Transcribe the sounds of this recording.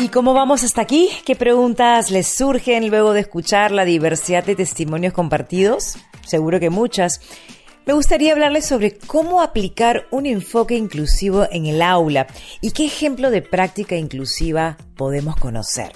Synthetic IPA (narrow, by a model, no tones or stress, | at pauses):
iko̞mo̞βamo̞sast̪aːkike̞pɾe̞ɣunt̪asle̞suɾxe̞nlwe̞ɣo̞ðeːskut͡ʃaɾlaðiβe̞ɾsiðad̪d̪et̪e̞st̪imo̞njo̞sko̞mpaɾt̪iðo̞sːe̞ɣuɾo̞ke̞mut͡ʃas | me̞ɣust̪aɾiaːβlaɾle̞sːo̞βɾe̞ko̞mo̞aplikaɾune̞ɱfo̞ke̞iŋklusiβ̞o̞ʔeŋelawlaike̞ːxe̞mplo̞ð̞e̞pɾak̚t̪ikaiŋklusiβa | po̞ð̞e̞mo̞sko̞no̰se̞̰ɾ